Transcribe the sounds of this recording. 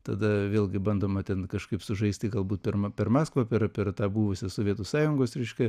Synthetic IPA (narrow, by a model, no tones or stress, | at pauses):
t̪ɐd̪ɐʋʲeːlˠɡʲɪbɐnd̪oːmɐt̪ʲɛnkɐʃkɐɪpsʊʒɐɪsʲt̪ʲɪɡɐlˠbuːt̪̚pʲɛrmpʲɛrmɑːskʋɐpʲɛɾpʲɛrt̪ɑːbuːʋʊsʲɪsoːʋʲiɛt̪ʊsɑːjʊŋɡoːsɾʲɛɪʃʲkʲɛ